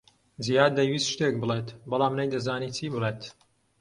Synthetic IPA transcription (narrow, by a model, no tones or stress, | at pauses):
zijaːd̪̚ːɐjwiːsʃt̪ek̚bɨleːt̪bɐlaːmnɐjd̪ɐzaːniːt͡sʰiːbɨleːt̪